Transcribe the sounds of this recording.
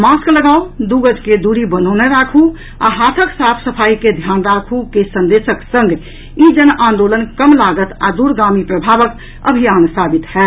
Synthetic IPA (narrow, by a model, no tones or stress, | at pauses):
maskləɡaud̪uɡəd͡ʒked̪uɾibənəneɾakʰu | a̰ɦat̪ʰəksapʰsəpʰaiked̪ʱjanɾakʰukesənd̪esəksə̃ŋɡ | id͡ʒənʔãnd̪olənkəmlaɡət̪a̰d̪uɾɡamipɾəbʱaʋək | ə̰bʱijansabit̪hɛ